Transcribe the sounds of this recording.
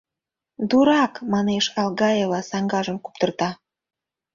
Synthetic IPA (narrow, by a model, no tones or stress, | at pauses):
d̪uɾɑkmɑneʃɑlɣɑjelɑsɑŋɡɑʒəmku̥p̚t̪ərt̪ɑ